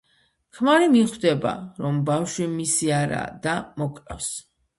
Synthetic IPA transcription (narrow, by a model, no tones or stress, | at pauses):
kʰmaɾimiχwd̪ɛba̰ɾɔmbafʃwimisiaɾa̰ːd̪amɔkʼɾɛfs